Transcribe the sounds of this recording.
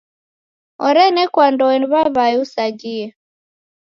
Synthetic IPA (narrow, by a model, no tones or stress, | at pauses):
ɔɾɛnɛkwandɔɛniβaβaɛusad͡ʒiɛ